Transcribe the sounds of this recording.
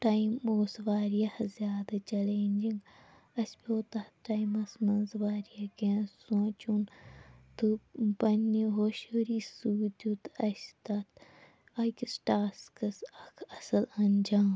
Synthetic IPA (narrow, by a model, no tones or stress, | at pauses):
ʈaimoːsʋaːɾijɐhzʲjaːd̪ɐt͡ʃɐleːnʲd͡ʒiŋɡ | ɐspoːt̪ɐhʈaːjmɐsmɐnzʋaːɾijɐkesũt͡ʃunt̪ubɐnːiɦoʃoɾiːsuːt̪ʲut̪ɐst̪ɐt̪ | ɐkʲisʈaːskɐsɐkʰɐsɐlɐnd͡ʒaːm